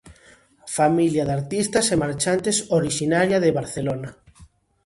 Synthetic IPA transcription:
familjaðaɾt̪ist̪ɐsemaɾt͡ʃant̪esoɾiʃinaɾjaðeβaɾθelona

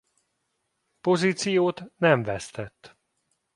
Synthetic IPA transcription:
po̞ziːt̪sijoːt̪nɛɱvɛst̪ɛt̪ː

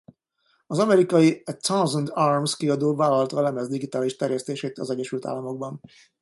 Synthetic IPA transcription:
ɒzɒmɛɾikɒjit̪sɒnzond̪armskiɒd̪oːvaːlɒllt̪ɒːlɛmɛzd̪iɡit̪aːliʃt̪ɛrjɛst̪eːʃeːt̪ɒzɛɟːɛʃylt̪a̰ːlːɒmo̞ɡ̚bɒn

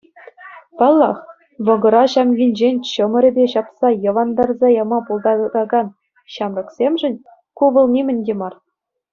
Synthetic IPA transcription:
pɑlˠːɑχ | ʋɤ̆ɡɤ̆ɾɑɕɑmɡʲinʲd͡ʑenʲt͡ɕɤ̆mɤ̆ɾʲɘ̆bʲeɕɑpsɑjɤ̆ʋɑnd̪ɑrzɑjɑmɑpulˠd̪ɑd̪ɑɡɑn | ɕɑmrɤ̆ksʲemʐɘ̆nʲ | kuʋɤ̆lˠnʲemʲɘ̆nʲdʲemɑr

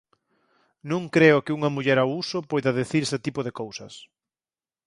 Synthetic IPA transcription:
nũŋkɾeʊkɪuŋɐmuʎɛɾawusʊpojðɐðeθiɾeset̪ipoðekowsɐs

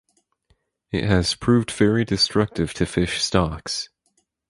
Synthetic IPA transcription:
ɪ̰ʔ̚ɦhɨz̥pʰɹ̥ʉvdvɛɹidɨstɹ̥ʌk̚tɨv̥tʰɨfɪʃstɑks

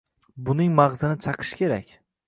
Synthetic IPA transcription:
bʊnɪŋmɑʁzɪnɪt͡ʃʰɑqʰɨ̥ʃkʲʰe̞ɾakʲ

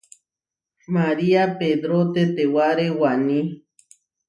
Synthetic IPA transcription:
maɾiaped̪ɾot̪et̪ewaɾewanĩ

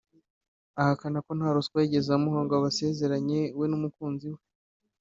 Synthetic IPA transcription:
ahakanako̞n̥haɾuskwaɟezamuhaːŋɡoaβase̞ze̞ɾaɲe̞we̞numukuːnziwe

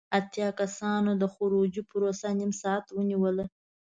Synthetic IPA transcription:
at̪jɑkasɑnod̪əxʊɾod͡ʒipɾosanimsɑat̪wəniwəla

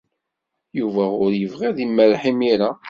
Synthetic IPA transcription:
juvæʊɾjəvʁiðimːælħimiɾa

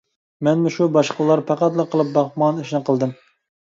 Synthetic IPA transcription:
mɛnmuʃubɑʃqəlˠɑɾpʰɑqɑt̪lˠɨqʰəlˠɨp̚bɑχmɑneʃnɨqəlˠd̪ɨm

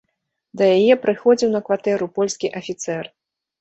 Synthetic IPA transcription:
d̪ɐjajɛpɾɨxɔd͡zʲiwnɐkvat̪ɛɾupɔlʲsʲkʲiʔɐfʲit̪sɛr

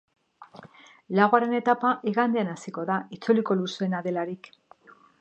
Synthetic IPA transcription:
laɣoaɾe̞ne̞t̪apaʔiɣand̪eanasiko̞ðait͡suliko̞lusenaðe̞laɾik

